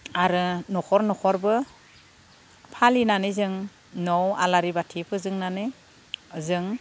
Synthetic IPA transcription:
aɾɯnɔkʰɔɾnɔkʰɔɾbɯ | pʰalinanɯzɯŋ | nɔwa̰laɾibatʰipʰɯzɯŋnanɯ | zɯŋ

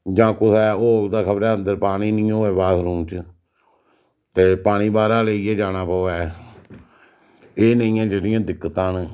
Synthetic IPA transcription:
d͡ʒãːkʊsɛːoːld̪aːkʰəbəɾɛːənd̪əɾpaːniːnĩːoːeːbaːsɾũːt͡ʃ | t̪eːpaːɽ̃iːbaːɾaːleːiːɛːd͡ʒaːnaːpɔːɛː | eːnəĩːãːd͡ʒeːɽɪjãːd̪ɪkːət̪ãːn

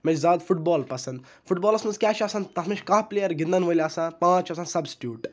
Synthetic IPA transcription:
mẽt͡ʃzaːd̪fuʈ̚boːlpɐsɐnd̪ | fʰuʈ̚bɔːlɐsnɐnzkʲaːt͡ʃʰaːsɐnt̪ɐt̪mẽt͡ʃʲkaːpleːjɐɾɡĩnd̪ɐnʋoːlʲaːsãːpãːt͡ʃɐsansɐbsʈjuːʈ

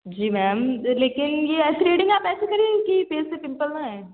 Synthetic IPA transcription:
d͡ʒiːmɛːmleːkɪnjeɛːsiɾeːɖɪ̃ŋɡaːpɛːsekɐɾẽːkifeːsepɪ̃mpəlnaɛ̃ː

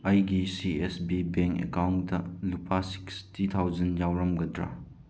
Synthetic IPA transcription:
ɐjɡisiesbibeŋkḛkawndɐlupasi̥kstitʰawzɐnjawɾɐmɡɐdɾa̰

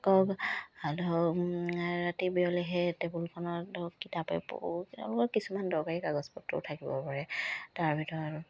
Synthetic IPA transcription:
kɔkalɔ | ɹatibiɔlɛɦɛtɛbulkʰɔnɔdɔkitapɛ̰pʊlɔkɔkisumandɔɹkaɹikaɡɔspɔtːɔ̰tʰakibɔ̰paɹɛtaɹbʱitɔɹa

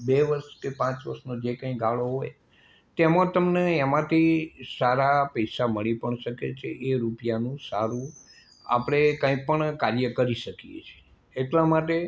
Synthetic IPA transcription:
beʋəɾʃkepãt͡ʃʋə̰ɾʃnod͡ʒekə̃ĩɡaɭoɦoj | t̪ɛmãt̪əmneɛmãt̪ʰisaɾapəjsaməɭipəɳʃəkḛt͡ʃʰeʔeɾupjanũsaɾũ | a̰pəɽ̃ekə̃ĩpəɳkaɾjəkəɾiʃəkijḛt͡ʃʰe̥ː | ʈlãmaʈe

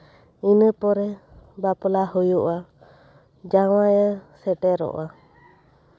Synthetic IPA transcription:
inəpɔɾɛbapɔlahɔjuʔa | d͡ʒawajasɛʈɛɾɔ̰ʔa

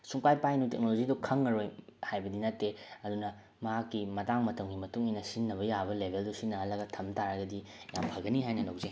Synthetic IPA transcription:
suŋpajpajnutek̚nolozidokʰɐŋːɐɾojhajbɐdinɐtːeɐdunɐ | mɐɦakːimɐtaŋmɐtɐmɡimɐtuŋijnɐsinːɐβɐjabɐlebʱeldusinːɐhɐlːɐɡɐtʰɐmtaɾɐɡɐdi | ja̰mpʰɐɡɐniɦajnɐlɐwze

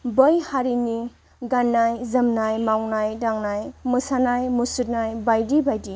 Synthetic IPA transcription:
bəjhaɾini | ɡanːajzəmnajmawnajdaŋnajmɯsanajmusut̚najbajdibajdi

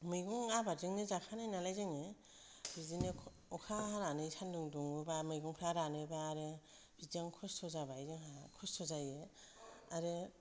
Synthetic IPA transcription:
mɯjɡɔŋabaziŋnezakʰanajnalajzaŋe | b̥izine | ɔkʰaaɾanɯjsʰanduŋduŋɯbamɯjɡɔŋpʰɾaɾanɯbaːɾe | b̥izaŋkʰɔstʰɔzabajzeŋakʰɔstʰɔzaje | aɾe

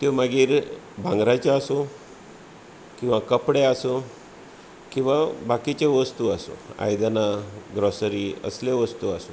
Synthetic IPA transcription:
t̪omaɡiːɾ | bʱãŋɡɾat͡ɕeaso | kĩw̃ʋakəpɽeaso | kĩw̃ʋabakit͡ɕeʋəst̪uaso̰a̰jd̪anaɡɾɔsɾiːə̰sleʋəst̪uaso

